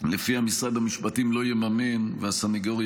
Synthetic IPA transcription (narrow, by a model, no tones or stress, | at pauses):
lefiamisʁad̪hamiʃpatimlo̞jemamenveasaniɡoʁ